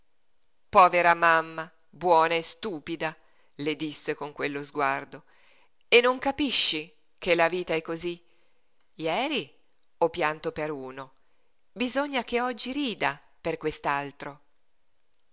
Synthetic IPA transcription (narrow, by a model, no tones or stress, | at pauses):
pɔːveɾamamːa | bwɔːnaest̪uːpid̪a | led̪isːekoŋkwelːozɡward̪o | enːoŋkapiʃːi | k̟elːaviːt̪aɛkːozi | jɛːɾi | ɔpːjant̪opeɾuːno | bizoɲːak̟eɔd͡ʒːiɾiːd̪a | perkwest̪alt̪ɾo